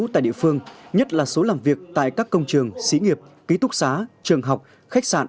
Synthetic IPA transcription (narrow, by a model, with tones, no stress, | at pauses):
t̪a̰ː˧˨jɗḭ˧˨fɨ˧əŋɲə˦˥t̚laː˨˩so˨˦laː˨˩mvi˨˩ək̚t̪a̰ː˧˨jkaː˦˥kːə˧wŋ͡mt͡ɕɨ˨˩əŋsḭ˧˨˦ŋi˨˩əp̚ | ki˨˦t̪ʰʊ˦˥k̚saː˨˦t͡ɕɨ˨˩əŋɦa˨˩wk͡p̚ | xa˦˥k̚sa̰ː˧˨n